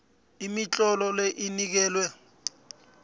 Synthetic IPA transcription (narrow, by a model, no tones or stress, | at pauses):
imit͡ɬʼɔlɔleʔinik̬ɛːlwɛ